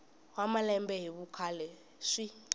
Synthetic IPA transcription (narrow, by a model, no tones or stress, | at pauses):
wamalɛmbɛɦiɓukʰalɛ | ʂi